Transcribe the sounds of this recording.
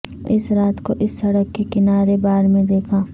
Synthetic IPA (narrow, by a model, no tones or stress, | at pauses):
ɪsɾaːt̪koʔɪsːɐɽəkːekɪnaːɾebaːɾmẽd̪eːkʰaː